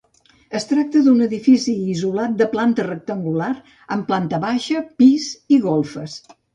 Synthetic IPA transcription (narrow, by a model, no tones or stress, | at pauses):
əst̪ɾak̚t̪əðunəðifisiːzulat̪̚d̪əplant̪ərək̚t̪əŋɡulaɾ | əmplant̪əβaʃəpiziɣɔlˠfəs